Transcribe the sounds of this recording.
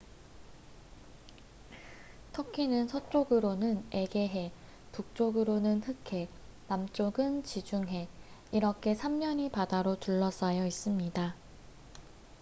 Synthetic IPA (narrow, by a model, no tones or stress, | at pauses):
tʰʌkʰinɯnsʰʌt͡ɕ͈oɡɯɾonɯne̞ɡe̞ɦe̞ | puk̚t͡ɕ͈oɡɯɾonɯnhɯkʰe̞namt͡ɕ͈oɡɯnt͡ɕid͡ʑuŋɦe̞iɾʌkʰe̞sʰamɲʌɲipadaɾotuɭːʌs͈ajʌis͈ɯmɲida